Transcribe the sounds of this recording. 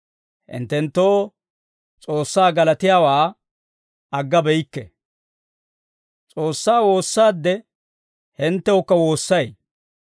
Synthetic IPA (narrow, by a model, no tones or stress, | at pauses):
hɪ̰nt̪ːɛnt̪ːoː | t͡sʼo̞ːsːaːɡɐlɐt̪ɪjaːwaː | ɐɡːɐbɛjkːɛ | t͡sʼoːsːaːwo̞ːsːaːd̪ːɛ | hɪnt̪ːɛwɔkːɐwo̞ːsːɐj